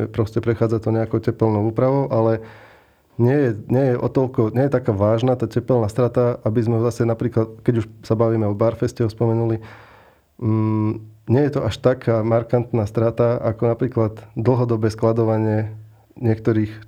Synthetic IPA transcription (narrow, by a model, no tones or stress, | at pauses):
pɾɔscɛpɾɛxaːd͡zat̪ɔɲɛakɔʊcɛpɛlnɔʊuːpɾaʋɔʊʔalɛ | ɲɪɛjɛɲɪɛjɛʔɔ̰t̪ɔʎkɔɲɪɛjɛt̪akaːʋaːʒnat̪aːcɛpɛlnaːst̪ɾat̪aʔabizmɛɦɔzasɛnapɾiːklat̪kɛɟuʃsabaʋiːmɛɔbaɾfɛscɛɦɔspɔmɛnuli | ɲɪɛjɛt̪ɔʔaʃt̪akʰaːmaɾkant̪naːst̪ɾat̪aakɔnapɾiːklad̪d̪l̩ˠɦɔd̪ɔbɛːsklad̪ɔʋaɲɪɛ | ɲɪɛk̚t̪ɔɾiːx